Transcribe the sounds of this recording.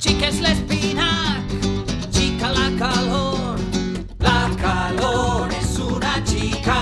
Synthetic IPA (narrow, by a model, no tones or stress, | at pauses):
t͡ʃikeslespinak | t͡ʃikalakaloɾ | lakaloɾsunat͡ʃika